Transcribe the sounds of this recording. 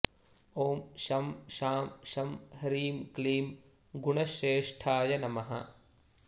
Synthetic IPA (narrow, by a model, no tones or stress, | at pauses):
oːmʃɐmʃaːmʃɐmhɐɾiːmkliːm | ɡuɳɐʃeːʂʈʰaːjɐnɐmɐɦɐ̰